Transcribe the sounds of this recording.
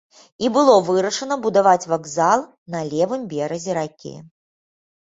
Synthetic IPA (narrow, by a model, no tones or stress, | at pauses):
ibɨlˠɔvɨɾɐʂɐnɐbud̪avat͡sʲvaɡzalˠ | nɐlʲɛvɨmbʲɛɾɐzʲɛɾakʲḭ